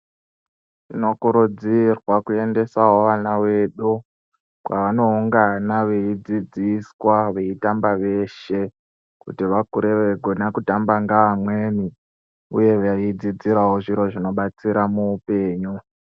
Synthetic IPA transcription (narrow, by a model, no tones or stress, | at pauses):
tino̞kuɾud͡zirwakue̞nde̞saɦo̞ʋanawe̞ɗu | kwaʋano̞uŋɡanaʋeid͡zid͡ziswaʋe̞itambaʋe̞ʃe̞ | kutiʋakuɾe̞ʋe̞ɡʱo̞nakutambaŋɡaːmwe̞ni | ṵje̞ʋaid͡zid͡ziɾaɦoʐiɾo̞ʐino̞ɓat͡siɾamuːpe̞ːɲu